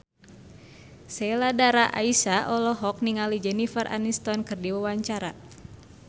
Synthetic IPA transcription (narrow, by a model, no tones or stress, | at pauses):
sɛladaɾaʔa̰isaʔɔlɔɦɔk̚niŋalid͡ʒɛnifərʔa̰nist̪ɔnkɨrdiwawaɲt͡ʃaɾa